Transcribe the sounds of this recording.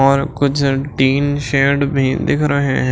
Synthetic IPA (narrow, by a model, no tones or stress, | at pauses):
ɔːɾkʊt͡ʃʰʈiːnʃeːɖbʱĩd̪ɪkʰɾəɦḛ̃ɦɛ̃